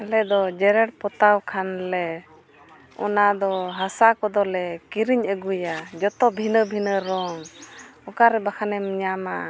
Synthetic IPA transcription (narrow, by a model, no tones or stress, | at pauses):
ɛlɛd̪ɔd͡ʒɛɾɛɽpɔt̪awkʰanlɛ | ɔ̰nad̪ɔɦasakɔd̪ɔlɛkiɾiɲəɡujad͡ʒɔt̪ɔbʱinəbʱinəɾɔŋɔkaɾɛbakʰanɛmiɲama